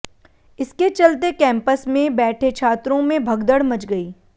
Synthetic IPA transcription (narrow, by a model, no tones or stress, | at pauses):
ɪsket͡ʃɐlt̪ekɛ̃ːmpəsmẽbɛːʈʰet͡ʃʰaːt̪ɾõmẽbʱɐɡd̪əɽmɐt͡ʃɡɐiː